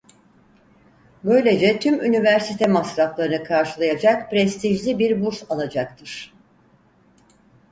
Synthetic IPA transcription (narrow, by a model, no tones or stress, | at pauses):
bø̞jlʲe̞d͡ʒɛt̪ʰymynivæɾsit̪ʰɛmasɾaflˠaɾɯnɯkʰaɾʃɯlˠajad͡ʒak̚pɾɛst̪ʰiʒlʲibiɾbuɾsalˠad͡ʒak̚t̪ʰɯɾ̥